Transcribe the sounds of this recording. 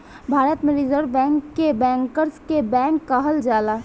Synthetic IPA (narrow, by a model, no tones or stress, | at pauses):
bʱaːɾət̪mẽɾɪzəɾʋbɛ̃ːŋkːebɛ̃ːŋkəɾskebɛ̃ːŋkːaɦəld͡ʒaːlaː